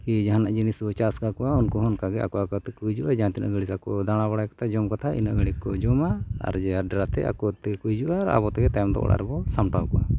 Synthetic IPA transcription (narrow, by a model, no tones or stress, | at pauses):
kid͡ʒaɦanaʔd͡ʒinisbɔt͡ʃaskakɔʔaunkɔɦɔnkaɡɛa̰kɔakat̪ɛkud͡ʒuʔad͡ʒaãt̪inə̰ɡəɽisakɔd̪aɽ̃abaɽajkḁt̪ʰad͡ʒɔmkat̪ʰaḭnəɡəɽikːɔd͡ʒɔmaa̰ɾd͡ʒɛaɖɛɾat̪ɛ̰a̰kɔt̪ɛkujd͡ʒuʔaːɾa̰bɔt̪ɛɡɛt̪ajɔmd̪ɔ̰ʔɽa̰ɾɛbɔsamʈawkɔʔa